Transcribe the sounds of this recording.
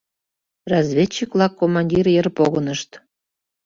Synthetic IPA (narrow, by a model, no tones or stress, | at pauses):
rɑzβʲet͡ɕːikβlɑkːomɑnʲdʲirjərpoɣənəʃt̪